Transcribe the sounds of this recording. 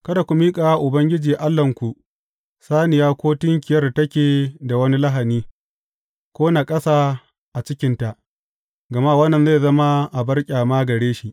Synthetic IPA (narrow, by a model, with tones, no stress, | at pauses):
kɐ˦da˨kʷu˨miː˦kʼaː˨a˦ʔʊ˨bɐ˦ŋɡʲɪ˦d͡ʒiː˨ʔa˦lːɐ˨ŋkʷu˨ʔ | saː˦nɪ˨jaː˦kʷoː˦tɪ˦ŋkʲɪ˨jɐ˦rtɐ˦kʲeː˨da˨wɐ˦ni˦lɐ˦ɦa˨niː˦ | kʷoː˦na˨kʼɐ˦saː˦ | ʔa˨t͡ʃɪ˦kʲɪ˦nta˨ʔ | ɡɐ˨ma˦˨wɐ˦nːɐ˨nze˦˨zɐ˦ma˦ʔa˨bɐ˦rkʲʼaː˨maː˦ɡɐ˨ɽeː˦ʃi˦ʔ